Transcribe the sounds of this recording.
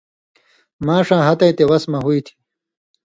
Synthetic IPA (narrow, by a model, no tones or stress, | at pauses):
mãːʂãːɦɐt̪ɐjt̪ewɐsmɐɦuit̪ʰi̥